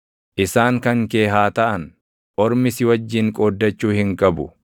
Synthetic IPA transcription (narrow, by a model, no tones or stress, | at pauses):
ʔɪsaːŋkɐŋke̞ːɦaːt̪ɐʔɐn | ʔɔɾmɪsɪwɐd͡ʒːɪŋkʼoːd̪ːɐt͡ʃːuːhɪŋkʼɐbʊ